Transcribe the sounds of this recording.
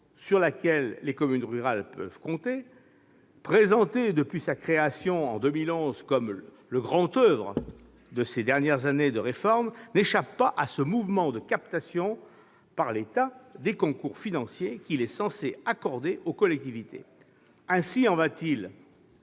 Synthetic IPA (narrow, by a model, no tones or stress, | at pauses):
syʁlakʲɛlːekɔmynʁyʁalpœ̰vkɔ̃t̪e | pχezɑ̃t̪ed̪əpɥisakχeasjɔ̃ɑ̰̃d̪ømilɔ̃zkɔm | ləɡʁɑ̃t̪øvʁə | d̪əsed̪ɛʁnjɛʁzaned̪əʁefɔʁmneʃapːaʔasəmuvmɑ̃d̪əkap̚t̪asjɔ̃ | paʁlet̪ad̪ekɔ̃kuʁfinɑ̃sjekʲilɛsɑ̃seakɔʁd̪eʔokɔlɛk̚t̪ivit̪ḛ | ɛ̃siɑ̃vat̪il